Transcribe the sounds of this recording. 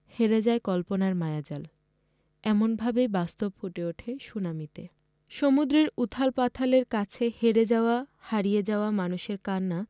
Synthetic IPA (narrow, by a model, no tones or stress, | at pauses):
heɾed͡ʑaekɔlponaɾmaead͡ʑal | ɛmonbʱabebast̪obfuʈeoʈʰeʃunamit̪e | ʃomud̪ɾeɾut̪ʰalpat̪ʰaleɾkat͡ɕʰeheɾed͡ʑaoahaɾijed͡ʑaoamanuʃeɾkanːa